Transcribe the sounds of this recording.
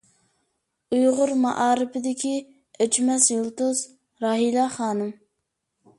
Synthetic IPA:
ujʁʊɾmɑ̰ʔɑːɾɨpʰɪd̪ɪkʲʰi | øt͡ʃʰmɛsjolˠt̪ʊz | ɾɑɦilɑχɑːnɨm

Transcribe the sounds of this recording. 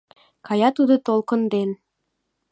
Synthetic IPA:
kɑjɑt̪ud̪ɤ̆t̪olˠkɤ̆nd̪en

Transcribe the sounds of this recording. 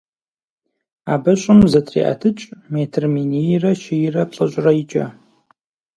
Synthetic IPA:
a̰ːbɐɕʷʼɪmzɐtʰrḭːʔa̰tʰɨt͡ʃʼmeːtʰɨrminijrɐʃɪjɪrɐpɬʼɐɕʷʼrɐjɪt͡ʃʼɐ̰

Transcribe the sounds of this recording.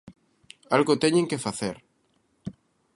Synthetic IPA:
alɣot̪eɲẽŋkefaθeɾ

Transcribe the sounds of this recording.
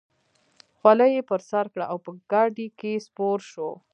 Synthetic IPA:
xwalajepəɾsaɾkɽaawpəɡ̥ɑɖikespoɾʃo

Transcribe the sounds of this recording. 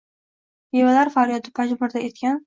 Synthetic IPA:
jevalaɾfaɾijɒd̪ɪpʰad͡ʒbʊɾd̪aet̪kʲan

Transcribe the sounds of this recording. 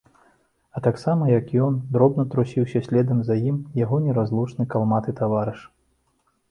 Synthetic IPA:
ɐt̪aksamɐjɐkjɔnd̪ɾɔbnɐt̪ɾusʲiwsʲɐsʲlʲɛd̪ɐmzajimjaɣɔnʲɛɾazlˠut͡ʂnɨkalˠmat̪ɨt̪avaɾɨʂ

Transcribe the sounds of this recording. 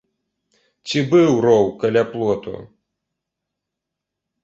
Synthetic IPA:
t͡sʲibɨwɾɔwkɐlʲaplˠɔt̪ṵ

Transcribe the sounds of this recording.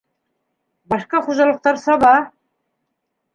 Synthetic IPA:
bɑʃqɑχuʒɑlˠə̆q̚t̪ɑɾsɑbɑ

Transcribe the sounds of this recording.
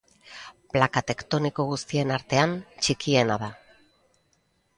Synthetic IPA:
plakat̪e̞kt̪o̞niko̞ɣ̞ust̪ie̞naɾt̪e̞ant͡ʃikie̞naða

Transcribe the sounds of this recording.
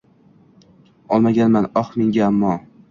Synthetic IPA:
ɒlˠmaɡʲanmanɒχmeŋɡʲaamːɒ

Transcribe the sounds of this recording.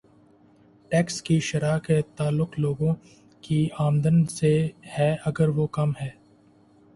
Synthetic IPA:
ʈɛːkskiʃɐɾaːket̪aːlːʊqloːɡõ | kiaːmd̪ənsehɛːɐɡəɾʋokɐmɦɛː

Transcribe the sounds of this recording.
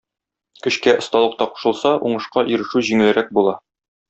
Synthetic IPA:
kɵ̆ɕkæʔŏst̪ɑlˠɤ̆q̚t̪ɑqu̥ʃɤ̆lˠsɑʔuɴɤ̆ʃqɑʔiɾɘ̆ʃʉʑiŋɘ̆lɘɾæk̚bulˠɑ

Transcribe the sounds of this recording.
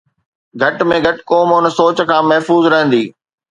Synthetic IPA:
ɡʱɐʈmẽɡʱɐʈkoːmʊnsoːt͡ɕ̆kʰãːmɐɦfuːzɾɐɦə̃nd̪iː

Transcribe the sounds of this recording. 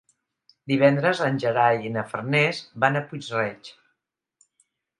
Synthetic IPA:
d̪iβ̞ɛnd̪ɾəzənʲʒəɾajinəfərnɛzbanəput͡ʃrɛt͡ʃ

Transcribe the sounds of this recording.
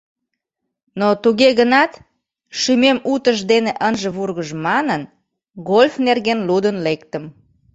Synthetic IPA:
not̪uɣeɣənɑt̪ | ʃymemut̪əʃd̪eneʔənʒəβurɣəʒmɑnən | ɣolʲfnerɣenlud̪ənlekt̪əm

